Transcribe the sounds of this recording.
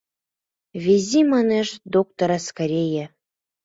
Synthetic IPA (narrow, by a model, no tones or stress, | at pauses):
vʲezʲimɑneʃd̪ok̚t̪oɾaskaɾʲeje